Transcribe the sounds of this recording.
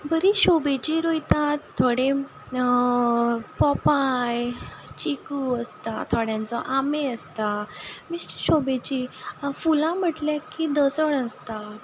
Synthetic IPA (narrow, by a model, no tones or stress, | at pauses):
bəɾiɕobet͡ɕiɾojt̪at̪ʰːoɽe | pɔpajt͡ɕikuəst̪at̪ʰoɽjãnt͡sɔʔameəst̪amist͡ɕi̥ɕobet͡ɕifulãm̤əʈljakid̪əsəɽəst̪a